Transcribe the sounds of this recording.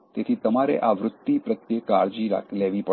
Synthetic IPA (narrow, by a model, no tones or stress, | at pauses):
t̪et̪ʰit̪əmaɾḛʔaʋɾʊt̪ːipɾət̪jekaɭd͡ʒiɾa̰kʰleʋipə